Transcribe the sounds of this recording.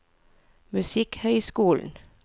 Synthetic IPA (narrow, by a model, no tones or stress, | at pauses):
mʉsɪkhœʏskuːln̩